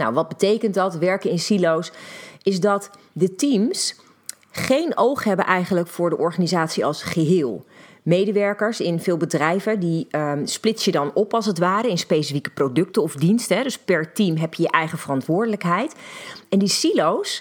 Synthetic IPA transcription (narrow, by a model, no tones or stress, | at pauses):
na̰wʋɑd̚bətejkəntdɑtʋɛɹkəɪnsilowsɪzdɑt | dətims | χejnowχɦɛbənʔɛjχənləkfʊːɹdəʔɔɹχaːnizaːtsiɑlˠsχəɦɪːlˠ | mejdəʋɛɹkəɹsɪnvɪːlˠbədrɛjvədisplɪtsjədɑnɔpɑlˠsətʋaːɾəɪnspejsifikə̥prowdɵktəɔfdinstəɦɛdɵspɛɹtimɦɛpjəjəʔɛjχəvərɑntʋʊːɹdələkɦɛjtɛndisilows